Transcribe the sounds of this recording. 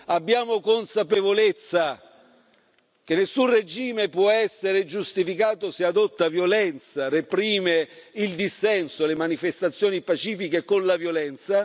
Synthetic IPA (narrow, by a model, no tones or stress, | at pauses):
abːjaːmokonsapevolet̪sːa | k̟enːesːunred͡ʒiːmepwɔɛsːeɾed͡ʒust̪ifikaːt̪osead̪ot̪ːavjolɛnt̪sarepɾiːmeild̪isːɛnsolemanifest̪at̪sːjoːnipat͡ʃiːfikekonlavjolɛnt̪sa